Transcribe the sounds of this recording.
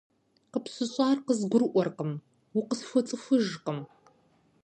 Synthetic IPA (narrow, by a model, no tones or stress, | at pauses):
qəpsɨɕʼaːrqəzɡʷʊrʔʷɔrqəm | wʊqəsfʷɔt͡sʼɨfʷɨʒqəm